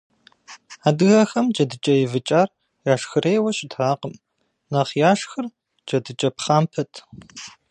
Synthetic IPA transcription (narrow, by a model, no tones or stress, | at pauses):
aːdɨɣɐxɐmd͡ʒʼɐdɨt͡ʃʼɐjɪvɨt͡ʃʼaːr | jaːʂxɨreːjwɐɕʼɪtʰaːqəm | nɐχjaːʂxɨr | d͡ʒʼɐdɨt͡ʃʼɐpχaːmpʰɐtʰ